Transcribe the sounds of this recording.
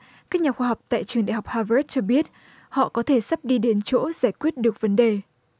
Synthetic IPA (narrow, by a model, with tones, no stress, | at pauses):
kaː˦˥k̚ɲaː˨˩xwaː˧ɦa˨˩wk͡p̚t̪a̰ː˧˨jt͡ɕɨ˨˩əŋɗa̰˧˨jɦa˨˩k͡p̚haː˧və˦˥t̚t͡ɕɔ˧ɓi˦˥ət̚ | hɔ̰˧˨kɔ˨˦t̪ʰe˧˩sa˦˥p̚ɗi˧ɗe˨˦nt͡ɕo̰˧˥zaː˧˩jkwi˦˥ət̚ɗɨ˨˩ək̚və˨˦nɗe˨˩